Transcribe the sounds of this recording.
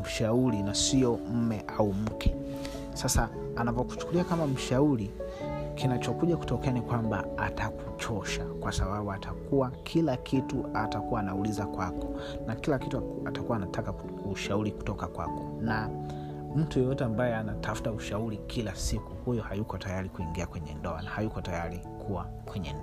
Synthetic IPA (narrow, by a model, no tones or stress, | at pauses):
m̩ʃauɾinasiɔm̩mɛʔaum̩kʰɛ | sasaː | navɔku̥t͡ʃu̥kuliakamam̩ʃauɾi | kinat͡ʃɔkuʄaku̥tɔkɛanikwamba̰ataku̥t͡ʃɔʃakwasaɓaɓuatʰakuakʰilakʰituatakuwaːnaulizakwakɔ̥ | nakilakitu | atakuwaːnatʰaka | uʃauɾiku̥tɔkakwa̰kɔna | m̩tujɔjɔtɛambajɛanatʰafu̥tauʃauɾikʰilasikuhujɔhajukɔtajaɾikuiŋɡiakwɛɲɛ̰ndɔa̰nahajukɔtajaɾi | kʰuwa̰ | kwɛɲɛ̰nd